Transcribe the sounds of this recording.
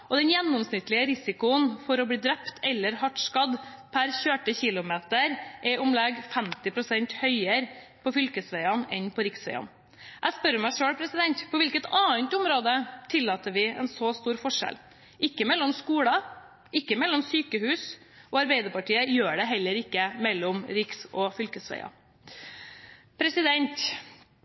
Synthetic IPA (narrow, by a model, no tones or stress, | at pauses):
ʔɔd̪ɛnjɛnːɔmsnɪt̪lɪəɾɪsɪkʊənfɔɾɔb̪iːd̪ɾɛpt̪ʰɛlːəɾɦɑʈʂkɑd̪pʰæɾçøːʈəçɪlʊmeːt̪əɾʔɛʔɔmlɛɡfɛmt̪ɪpʰɾʊsɛnt̪hœʏəɾpʰɔfʏlkəsʋæɪɑnɛnpʰɔɾɪksʋæɪɑ̰n | ʔæspœɾɔmæɪʂøːɽpʰɾɛsɪd̪ɛnt̪pʰɔʋɪlkət̪ɑːənt̪ʊmɾoːd̪ət̪ʰɪlːɑːt̪əʋɪɛ̰nsost̪uːɾfɔʂɛ̰l | ʔɪkːəmɛlːɔmskuːɽɑ | ʔɪkːəmɛlːɔmsyːkəhʉːs | ʔɔɑɾbæɪd̪əɾpɑʈiːəjøːɖɛɦɛlːəɾɪkːəmɛlːɔmɾɪksɔfʏlkəsʋæ̰ɪɑ̰ | pʰɾɛsɪd̪ɛnt̪